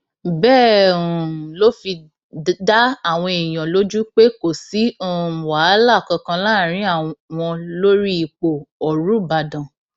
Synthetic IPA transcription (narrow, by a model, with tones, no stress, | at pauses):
bɛː˦˨ũ˨lo˦fi˧ | da˦a˦˨w̃ɔ̃˧e˨j̃ã˨lo˦d͡ʒu˦k͡pe˦ko˨si˨˦o˦˨wa˨˦la˦˨kɔ̃˧kã˧laː˦˨ɾ̃ĩ˨˦a˦˨w̃ɔ̃˧lo˦ɾi˦i˧k͡po˨ɔ˨ɾu˨˦ba˨dã˨